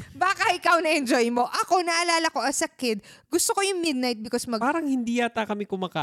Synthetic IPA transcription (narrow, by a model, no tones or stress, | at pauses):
baːkɐʔɪkɐwnɐʔɛnd͡ʒojmo̞ʔɐko̞nɐʔɐlaːlɐko̞ʔɐsɐkɪd̪̚ɡʊst̪oko̞jʊŋmɪd̪̚najt̪̚bɪkosmɐaːɾɐŋhɪnd̪iːjaːt̪akɐmɪkʊmaːkaː